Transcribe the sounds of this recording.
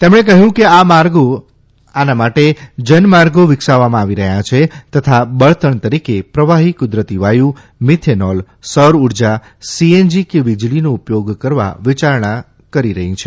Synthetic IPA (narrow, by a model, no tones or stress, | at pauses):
t̪emɳ̃ek̬əɦjũkeamaɾɡo | anamaʈed͡ʒənmaɾɡoʋɪksaʋamãaʋiɾəɦjãt͡ʃʰet̪ət̪ʰabəɭt̪ʰəɳt̪əɾikepɾəʋaɦikʊd̪ɾət̪iʋajũ | mɪt̪ʰenɔl | səɾuɾd͡ʒa | siend͡ʒikeʋid͡ʒlinoupjoɡkəɾʋa̰ʋɪt͡ʃaɾɳa | kəɾiɾəɦĩt͡ʃʰe